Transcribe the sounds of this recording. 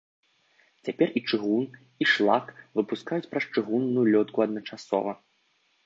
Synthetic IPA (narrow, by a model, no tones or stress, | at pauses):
t͡sʲapʲɛrit͡ʂɨɣun | iʂlˠakvɨpuskajut͡sʲpɾɐst͡ʂɨɣunːujulʲɔt̪kuɐd̪nɐt͡ʂasɔ̰vɐ